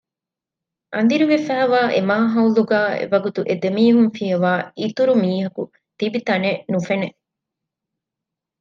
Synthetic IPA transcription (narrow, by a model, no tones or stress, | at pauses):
ʔɐ̰nd̪iɾiʋefæːʋaːʔemaːɦɐuluɡaːḛʋɐɡut̪uʔed̪emiːɦunfijɐʋaːit̪uɾumiːɦɐku | t̪ibit̪ɐnenufene